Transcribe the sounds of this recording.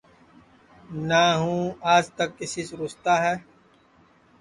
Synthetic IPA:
naːɦũːaːd͡ʒt̪ɐkːɪsisɾʊst̪aːɦɛː

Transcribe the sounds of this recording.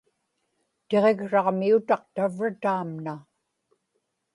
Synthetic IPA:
t̪e̞ʁe̞ɣʂɑʁmiut̪ɑqt̪avrat̪aːmna

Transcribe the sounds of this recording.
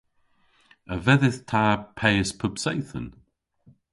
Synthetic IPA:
əvɛðɪθtʰaːpʰɛjəspʰʊbsɛjθə̰n

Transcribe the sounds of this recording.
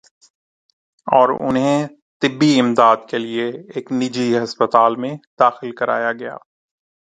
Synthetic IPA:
ɔːɾʊ̰nɦẽ | t̪ɪbːiɪmd̪aːd̪̚kelieeːknɪd͡ʒiɦɐspət̪aːlmẽd̪aːxɪlkɐɾʔa̰ːjaɡɐja̰ː

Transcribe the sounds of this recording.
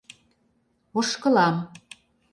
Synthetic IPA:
oʃkɤ̆lɑm

